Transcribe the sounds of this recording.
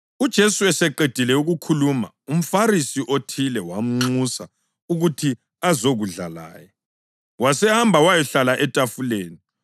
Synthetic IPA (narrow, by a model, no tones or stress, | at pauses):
ud̥ʒ̥ʱesuɛsɛǃed̥ʱilɛuɣukʰuluma̰ | um̩faɾisiʔotʰilɛwam̩ŋ͡ǀusa | uɣutʰi | azoɣuɮala̰ːjɛ | wasɛhambʱawajɛɬalaʔɛtʼafuleːni